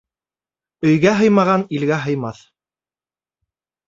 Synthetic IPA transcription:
ɵ̆jɡæɦɤjmɑʁɑnilɡæɦɤ̆jmɑθ

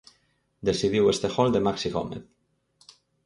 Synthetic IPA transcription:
d̪esiðiwest̪exɔld̪emaksiɣɔ̰mḛð

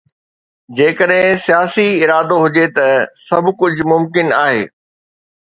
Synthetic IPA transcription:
d͡ʑeːkəɗɦɪ̃sijaːsiɪɾaːd̪oɦʊd͡ʑet̪ɐsɐbkʊd͡ʑʱʊmʊmkɪnaːɦḛː

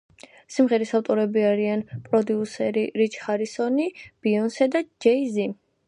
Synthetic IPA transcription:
simʁɛɾisaft̪ʼɔɾɛbiaɾianpʼɾɔd̪iusɛɾiɾit͡ʃʼʰχaɾisɔnib̥iɔnsɛd̪ad͡ʒɛizi

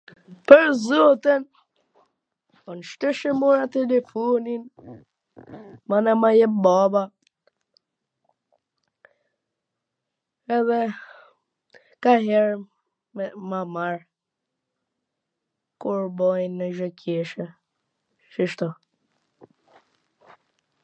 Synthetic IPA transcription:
pəɾzɔt̪ən | ɔnʃt̪əʃəmuɾat̪ɛlɛfɔnin | manamajɛbaba | ɛðɛ | kaɦɛɾ | mɛmamaɹ | kuɾbɔjnəʒɔkʰjɛʃə | ʃəʃt̪ɔ

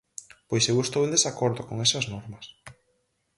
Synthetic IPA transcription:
pojsewest̪owẽnd̪esakoɾðokoŋɛsɐznɔɾmɐs

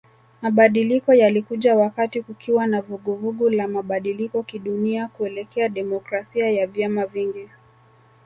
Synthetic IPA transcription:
maɓaɗilikɔjalikuʄawakatikukʰiwanavuɠuvuɠulamaɓaɗilikɔkiɗuniakuɛlɛkɛaɗɛmɔkɾasiajavjamaviŋɡi

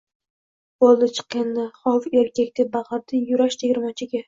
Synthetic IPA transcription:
bolˠːɪt͡ʃʰɨ̥qːenːɪχɒfeɾkʲakʲt̪ʰabɑʁɑɾd̪ɪjʊɾaʃt̪ʰeɡʲɪɾmat͡ʃʰɪɡʲa

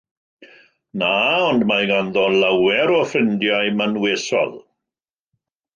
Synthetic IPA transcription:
naːɔndmajɡanðɔlawɛɾɔfrɪndjajmənweːsɔ̰lˠ

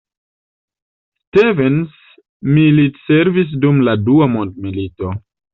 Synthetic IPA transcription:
stevens | militse̞ɾvis̬dumladuamond̚milito̞

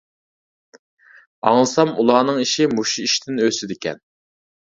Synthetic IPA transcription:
ɑŋlˠɨsɑmṵlˠɑːnɨŋiʃimuʃiiʃt̪ɪnøsɪd̪ɪkʲʰɛ̰n

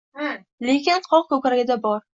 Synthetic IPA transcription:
lekʲɪnqʰɒq̚kʰɵkʲɾaɡʲɪd̪abɒɾ

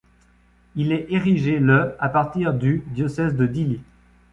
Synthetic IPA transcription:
ilɛʔeʁiʒeləapaʁt̪iʁd̪yd̪jɔsɛzd̪əd̪ili

